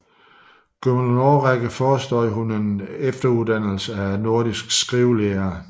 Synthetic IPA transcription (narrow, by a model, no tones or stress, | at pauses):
ɡ̥øməlnoːʁæɡ̥əfɒːsd̥ɒ̰ːɦune̝nefd̥ɐuðˠd̥æn̰l̩səæno̝ɐd̥isɡ̥sɡ̥ʁiʊleːɐ